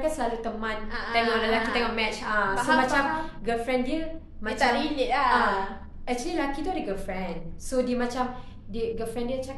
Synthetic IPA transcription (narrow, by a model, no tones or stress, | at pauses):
ɡasəlalut̪əmãnt̪ɛŋɔlalakit̪ɛ̃ŋɔmɛt͡ʃasomãt͡ʃamɡəlfɹɛ̃ndiə | mat͡ʃainiaa | ɛk̚t͡ʃəlilakit̪uadəɡəfɹɛ̃nsodiəmãt͡ʃam | dəɡəlfɛ̃ndiət͡ʃa